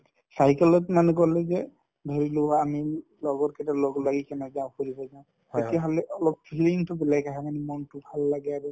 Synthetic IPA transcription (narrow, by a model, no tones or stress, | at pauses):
sajkɛlɔtmanɛkɔlɛzɛ | dʱɔɹiloaːmilɔɡɔtkɛtalɔɡlaɡikɛnɛzaʊ̃koɹibɔzaʊ̃ | etiaɦɔlɛʔɔlɔk̚pʰiliŋtʊbɛlajkaɦamanimɔntʊbʱalːaɡɛaɹu